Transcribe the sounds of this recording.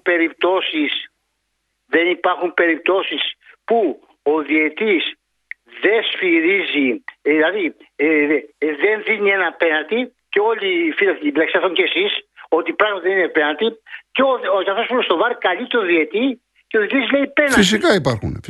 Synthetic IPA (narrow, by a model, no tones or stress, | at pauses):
pe̞ɾip̚t̪o̞sis | ðe̞nipɐɾxumpe̞ɾip̚t̪o̞sispu | oðiet̪is | ðe̞sfiɾiziðilɐði | ðe̞nðinie̞nɐpe̞nɐnt̪iceo̞lifilɐt̪eivlɐksiɐθoɲcesiso̞t̪ipɾɐɣmɐt̪iðeninepenɐlt̪iceocɐθo̞spunost̪ovɐɾkɐlit̪oðiet̪i | ceoðit̪izle̞ipenis̬ikɐipɐɾxṵn